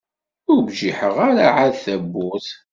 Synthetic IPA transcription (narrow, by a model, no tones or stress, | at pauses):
ʊbʒiħəʁaɾaʕaðθæbːʊθ